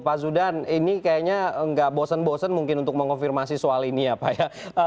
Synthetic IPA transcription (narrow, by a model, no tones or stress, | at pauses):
pasudaninikajaɲaŋɡaʔbosənbosənmuŋkɪnunt̪ʊk̚məŋkɔnfirmasisoaliniapajaə